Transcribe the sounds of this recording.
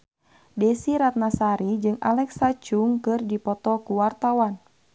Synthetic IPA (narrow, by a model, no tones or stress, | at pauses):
dɛsiɾat̪̚nasaɾid͡ʒɨŋa̰lɛksat͡ʃuŋkɨrdipɔt̪ɔkuwart̪awan